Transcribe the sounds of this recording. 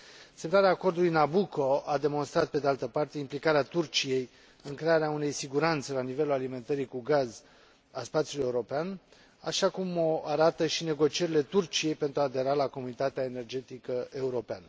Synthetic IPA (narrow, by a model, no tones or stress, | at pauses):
semnaɾeaːko̞rd̪ulujnabuko̞ad̪e̞mo̞nst̪ɾat̪̚ped̪ealt̪əpart̪e̞implikaɾeat̪urt͡ʃije̞j | ɨŋkɾe̞aɾeaune̞jsiɡuɾant̪se̞lanive̞lulalime̞nt̪əɾikuɡaz | a̰spat̪siuluje̞uɾo̞pean | a̰ʃakumoaɾat̪əʃine̞ɡo̞t͡ʃie̞ɾile̞t̪urt͡ʃije̞jpe̞nt̪ɾuaːd̪e̞ɾalako̞munit̪at̪eaene̞rd͡ʒe̞t̪ikəe̞uɾo̞peanə